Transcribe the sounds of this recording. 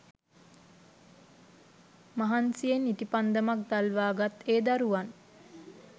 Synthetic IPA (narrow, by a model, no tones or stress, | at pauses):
maɦansijenit̪ipand̪əmak̚d̪alʋaːɡat̪eːd̪aɾuʋan